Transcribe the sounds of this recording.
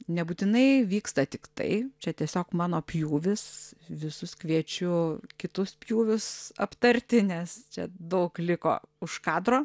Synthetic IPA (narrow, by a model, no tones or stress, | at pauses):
nʲɛbuːt̪ʲɪnɐɪʋʲiːkst̪ɐt̪ʲɪkt̪ɐ̰ɪt͡ʃʲɛt̪ʲiɛsʲoːkmɑːnoːpʲjuːʋʲɪsʋʲɪsʊskʋʲiɛt͡ʃʲʊkʲɪt̪ʊspʲjuːʋʲʊsɐ̰pt̪ɐɾʲt̪ʲɪnʲɛst͡ʃʲɛ̰d̪ɐʊklʲɪko̰ːʊʃkɑːd̪roː